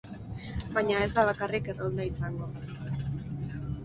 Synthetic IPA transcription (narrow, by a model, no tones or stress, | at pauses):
baɲae̞zd̪aβ̞akarike̞rold̪aisaŋɡo̞